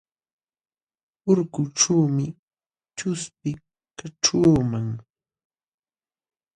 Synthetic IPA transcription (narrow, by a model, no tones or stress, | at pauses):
ʊɾkʊʈ͡ʂaːmɪ | t͡ʃʊspɪ | kaʈ͡ʂuːmaŋ